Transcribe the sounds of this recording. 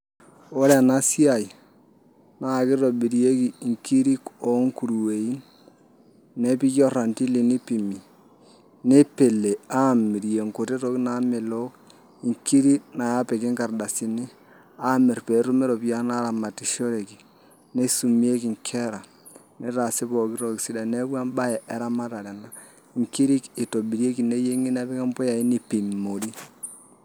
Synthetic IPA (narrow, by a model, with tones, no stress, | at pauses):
o˦ɾe˦a˨na˦si˦a˨i˨ | na˨kɪ˦ɾo˨bi˨ɾi˨e˦ki˨ŋki˦ɾi˦ko˨˦ŋku˨ɾu˨we˨i˦n | e˦pi˦ko˦ra˨nti˦li˨ni˦pi˨mi˨ | ne˦pe˨le˨a˦˨mːi˨ɾi˨e˨ŋko˨te˦ɾo˦kna˦mɛ˨lo˦k | i˨ŋki˦ɾi˦kna˨ja˦pe˨kɪ˦ŋka˨rda˨si˨nɪ˦ | a˦mi˨ɾpe˨˦ɾu˦me˦ɾo˨pi˦ja˦na˦ɾa˨ma˨ti˨ʃo˦ɾe˨ki˨ | ne˦su˨mi˦e˦ki˨ŋkʰe˦ɾa˨ | ni˦ɾa˨si˦po˨ki˦ɾo˦ksi˦da˨ne˦bwa˦mba˦jɛ˨ʔe˦ɾa˦ma˦ta˨ɾe˨na˦ | i˨ŋki˦ɾi˦ki˨to˨bi˨ɾe˦ki˨ne˦je˦ŋi˦na˦pi˦kɛ˦mpɔ˦ja˨i˦ni˦pi˨mːo˨ɾi˦